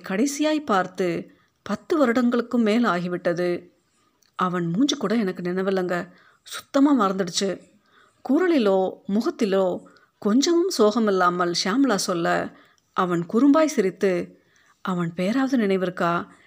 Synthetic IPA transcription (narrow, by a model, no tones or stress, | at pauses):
kɐɽɐɪsɪjaːjpaːɾt̪ɯ | pɐt̪ːɯʋɐɾɯɽɐŋɡɐɭɯkːɯmːeːlaːɣɪʋɪʈːɐðɯ | ʔɐʋɐnmuːɲd͡ʒɯkːuːɽɐɛnɐkːɯnɪnɐɪʋɐlːɐŋɡɐ | sʊ̥t̪ːɐmaːmɐɾɐnd̪ɪɽɯt͡ʃːɯ | kuːɾɐɭɪloːmʊɣɐt̪ːɪloː | kɔɲd͡ʒɐʋɯmsoːɣɐmɪlːaːmɐlʂaːmlaːsɔlːɐ | ʔɐʋɐnkʊɾɯmbaːjsɪɾɪt̪ːɯ | ʔɐʋɐnpeːɾaːʋɐðɯnɪnɐɪʋɪɾɯkːaː